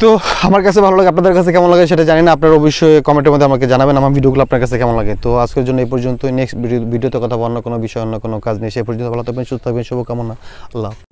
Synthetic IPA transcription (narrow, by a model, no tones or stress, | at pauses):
t̪oamaɾkat͡ɕʰebʱalolaɡeap̬̚nad̪eɾkat͡ɕʰekɛmonlaɡeʃeʈad͡ʑaninaapnaɾobiʃɔekɔmeɳʈ̬eɾmod̪ʱeamaɾked͡ʑanabenamaɾbʱiɖioɡulaap̚naɾkat͡ɕʰeekɛmonlaɡet̪oad͡ʑkeɾd͡ʑonːoejpɔɾd͡ʑont̪oneksibʱiɖiot̪okɔt̪ʰabaanːokonobiʃɔeɔnːokonokad͡ʑnejʃejpɔɾd͡ʑont̪obʱalat̪openʃuot̪ʰaɡbenʃɔbokɛmonːaɐlːa